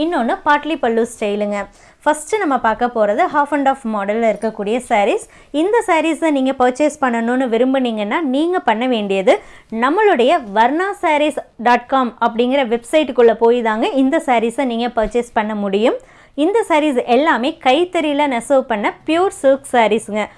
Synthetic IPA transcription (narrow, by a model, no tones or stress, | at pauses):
ɪnːoːnːɯpaːʈlipɐɭːuːsʈɐjlɯŋɡɐ | fɐsʈɯnɐmːɐpaːɾkɐpːoːɾɐðɯɦaːfɐɳɖaːfmɔːɽɐlːɪɾɯkːɐkːuːɽɪjɐsɐɾis | ɪnd̪ɐsɐːɾisɐniːŋɡɐpɐːt͡ʃeːspɐɳːɐnoːnɯʋɪɾɯmbɯniːŋɡɐnːaːniːŋɡɐpɐɳːɐʋeːɳɖɪjɐðɯnɐmːɐɭɯɽɐjɐʋɐɾnaːsaːɾisɖaːʈ̚kaːmɐpːɐɽɪŋɡɪɾɐʋɛbsɐɪʈːkːɯɭːɐpoːjɪðaːŋɡɐɪnd̪ɐsaːɾisɐniːŋɡɐpɐːt͡ʃespɐɳːɐmʊɽɪjɯm | ɪnd̪ɐsɐɾiːsɛlːaːmeːkɐɪt̪ːɐɾɪlɐnɐsɐːʋpɐɳːɐpjuːɾsuːksaːɾisɯŋɡɐ